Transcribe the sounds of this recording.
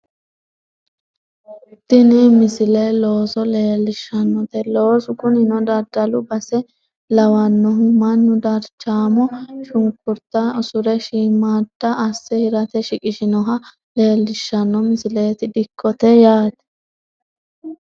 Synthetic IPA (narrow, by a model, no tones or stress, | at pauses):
d̪̥ɪnɪmɪsɪlɛlo̞ːsɔle̞ːlːɪʃːɐnːɔt̪ɛlo̞ːsʊkʊnɪnɔd̪ɐɾd̪ɐlʊbɐsɛ | lɐwɐnːɔɦʊmɐnːʊd̪ɐɾt͡ʃːaːmɔʃʊŋkːʊɾt̪ːɐɔsʊɾɛʃiːmaːd̪̥ːɐʔːsːɛhɪɾɐt̪ɛʃɪkʼɪʃɪnɔɦɐ | le̞ːlːɪʃːɐnːɔmɪsɪleːt̪ɪd̪ɪkʰːɔt̪ɛjaːt̪ɛ̥